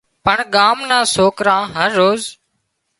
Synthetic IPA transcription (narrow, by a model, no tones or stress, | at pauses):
pəɳɠaːmnãːsoːkɾãːɦəɾːoːz